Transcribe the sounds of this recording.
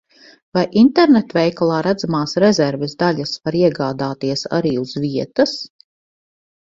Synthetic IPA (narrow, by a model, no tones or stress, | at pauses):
vajʔint̪ɛɾnet̪vɛjkalˠɑːɾæd̪zamaːsɾɛzɛɾvɛzd̪aʎʲasvaɾiɛɡaːd̪aːt̪iɛsa̰ɾiːuz̥viɛt̪as